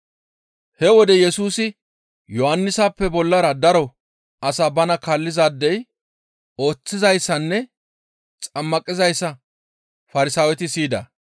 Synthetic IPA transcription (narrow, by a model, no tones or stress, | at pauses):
hɛwɔd̪ɛjɛsuːsɪ | jɔhɐnːɪsaːpːɛbɔlːɐɾɐd̪ɐɾɔ | ɐsabɐnɐkɐlːɪzaːd̪ːɛj | o̞ːt͡sːɪzɐjsːɐnːɛ | t͡sʼɐmːɐkʼɪzɐjsːɐ | fɐɾɪsaːwɛt̪ɪsiːd̪ɐ̰